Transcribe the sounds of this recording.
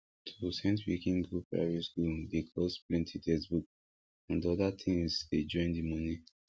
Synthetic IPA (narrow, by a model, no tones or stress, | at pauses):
tʰosɛ̃ntwḭkĩŋɡɹupɹa̰vɔskuldekʰlosplɛ̃ntʰidɛsbuk̚ | ãndɔdatʰĩŋzded͡ʒɔ̃ɪ̃ndimɔ̃ni